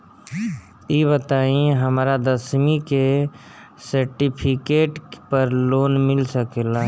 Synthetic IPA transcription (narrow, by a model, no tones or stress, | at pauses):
iːbət̪aːĩɦəmɾad̪əsmike | səɾʈipʰɪkeːʈpəɾloːnmɪlsəkeːla